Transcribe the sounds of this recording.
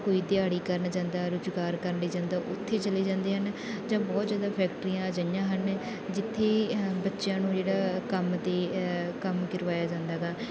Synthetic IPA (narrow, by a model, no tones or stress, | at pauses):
koːiːd̪ɪaːɽiːkəɾnːd͡ʒãːnd̪aːɾʊd͡ʒɡaːɾkəɾleːd͡ʒãːnd̪aːʔʊt̪ʰːeːt͡ʃəleːd͡ʒãːnd̪eːɦən | d͡ʒãːbɔːt̪zjaːd̪aːpʰɛːkʈɾiːãːd͡ʒaɪjãːɦən | d͡ʒɪt̪ʰːeːbətːʃjãːnũːd͡ʒeːɽaːkəmd̪eːkəmɡɪɾʋaːjaːd͡ʒãːnd̪aːɡaː